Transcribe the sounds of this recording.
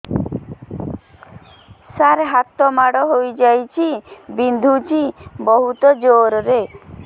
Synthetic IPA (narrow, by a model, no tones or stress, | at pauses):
saɾɦat̪ɔmaɽɔɦojd͡ʒajt͡ʃʰibind̪ʱut͡ʃʰibɔɦut̪ɔd͡ʒoɾɔɾe